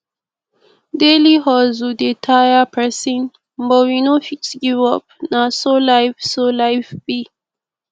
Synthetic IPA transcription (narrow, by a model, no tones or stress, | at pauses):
deliɦɔzudetʰajapʰɛsĩn | mbɔwinofit͡ʃɡivɔp̚nasolajfsolajfbi